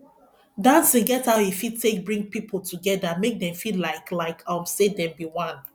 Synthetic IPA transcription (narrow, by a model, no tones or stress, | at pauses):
dãnseɡɛthaʊjifid̚tʰek̚bɹĩŋ̚pipʰl̩ˠtʰuɡɛdamek̚dɛ̃ɱfillaɪklaɪkʰawsedɛ̃mbiwãn